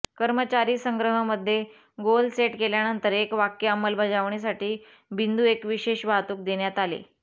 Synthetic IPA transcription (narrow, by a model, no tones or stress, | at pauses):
kəɾmət͡ɕaɾiːsəŋɡɾəɦəməd̪ʱːje | ɡolseʈkeljanənt̪əɾekʋakjəəməlbʱəd͡ʑaʋɳes̬aʈiː | bind̪uekʋiɕeɕbʱaɦt̪uːk̚d̪eɳjat̪alḛ